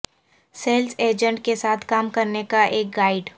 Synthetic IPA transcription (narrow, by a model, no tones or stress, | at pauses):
seːlseːd͡ʒə̃ɳʈ̚kesaːt̪ʰkaːmkɐɾnekaʔeːk̚ɡaːɪɖ